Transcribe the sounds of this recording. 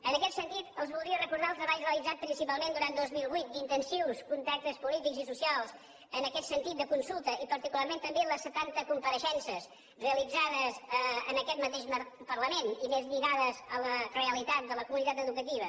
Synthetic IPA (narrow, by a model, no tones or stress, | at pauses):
ənəkɛt̪sənt̪it̪əlˠzβulˠd̪ɾiərəkuɾðalˠzðəβaʎreəlˠid͡zat̪̚pɾinsipalˠmẽnd̪uɾand̪ozmilˠβujt̪̚d̪int̪ənsowskunt̪ak̚t̪əspulit̪ikzisusialˠs | ənəkɛt̪sənt̪it̪̚d̪əkunsulˠt̪əipəɾt̪ikulˠarmẽnt̪əmbeləsːət̪ant̪əkumpəɾəʃɛnsəs | reəlid͡zaðəzəənəkɛt̪mət̪eʃəpərləmenimezʎiɾaðəzələreəlit̪at̪̚d̪ələkumunit̪at̪əðukət̪iβ̞ə